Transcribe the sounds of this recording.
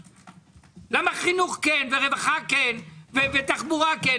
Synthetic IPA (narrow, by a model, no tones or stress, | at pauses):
lamaχinuχkenveʁevaχakenvevet̪aχbuʁake